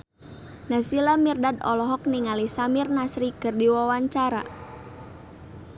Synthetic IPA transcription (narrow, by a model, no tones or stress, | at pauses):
nasilamirdadɔlɔɦɔk̚niŋalisamɪrnasɾikɨrdiwawaɲt͡ʃaɾa̰